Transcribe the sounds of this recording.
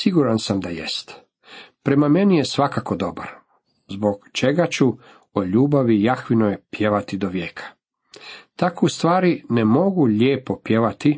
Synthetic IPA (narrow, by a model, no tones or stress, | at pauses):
siɡuɾansamd̪ajḛst̪ | pɾe̞mame̞nije̞sʋakako̞d̪o̞ba̰ɾ | zbo̞ɡt͡ʃe̞ɡat͡ɕu | oʎuːbaʋijaxʋinojpje̞ʋat̪id̪oʋjeːkʰḁ | t̪akoust̪ʋaːɾine̞mo̞ɡuʎeːpo̞pje̞ʋat̪i